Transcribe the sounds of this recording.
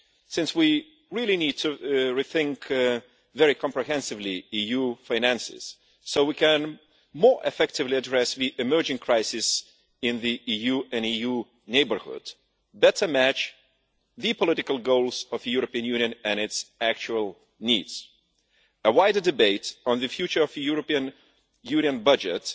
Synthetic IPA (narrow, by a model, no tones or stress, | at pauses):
sɪ̃nswi | ɹilˠinid̚tʰɨɹiθɪ̃ŋk | vɛɹikʰɑ̃mpɹɨɦɛ̃nsɨvliijufãɪ̃næ̃nsɪ̰z̥ | soʊwikɨ̃n | mɔɹʔɨ̰fɛk̚tɨvliɨdɹɛsðiʔɨmɜ˞d͡ʒɪ̃ŋkʰɹ̥aɪsɪs | ɪ̃nðiʔijʉɨ̃niju | neɪbə˞hʊ̰d̥ | bɛɾə˞mæt͡ʃ | ðɨpʰɔlɪɾɨkəlˠɡoʊlˠzʌvðɨjuɹəpiɨ̃njʉ̃njɨ̃nɨ̃nɨtsæk̚t͡ʃulˠ | nidz̥ | əwaɪdə˞dɨbeɪɾ̃n̩ðɨfjʉt͡ʃə˞ʌvðɨjuɹəpiɨ̃n | jʉniɨ̃nbʌd͡ʒɨt